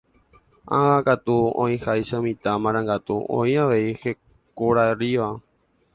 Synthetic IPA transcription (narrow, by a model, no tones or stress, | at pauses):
ãʋakat̪uõ̰ĩhajʃamĩt̪amãɾ̃ãŋɡat̪uõĩaʋe̞ihe̞ | koɾaeriʋa